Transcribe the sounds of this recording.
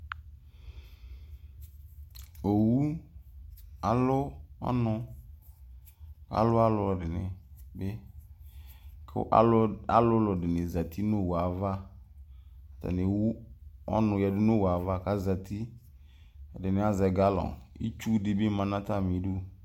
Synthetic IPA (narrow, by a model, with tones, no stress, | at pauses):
o˨wu˦ | a˨lʊ˦ɔ̰˦nʊ̃˦ | ka̰˨˦lʊ˦a˦lʊ˦˨dɪ˨nɪ̰̃˨bɪ˦ | kʰʔa̰˦a˨lʊ˦lʊ˨dɪ˨nɪ̃˨za˨tʰi˦no˦˨wa˨va˦˨ | ta̰˨nɪ̃˨wu˦ɔ̰˦nʊ̃˨jɛ˨dɪ˦nʊ˦˨wa˨va˦ka˨za˨tʰi˦˨ | dɪ˨nɪ̃˨˦a˨zɛ˨ɡa˦lɔ̰˨ḭ˦t͡ʃu˦dɪ˨bɪ˦mã˨nã˦ta˦˨mĩ˨˦do˦